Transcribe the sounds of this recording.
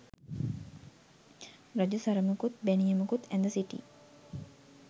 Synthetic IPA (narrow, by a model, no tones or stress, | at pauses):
rɐd͡ʒusɐɾəməkut̪̚bænijəməkut̪ænd̪əsiʈḭ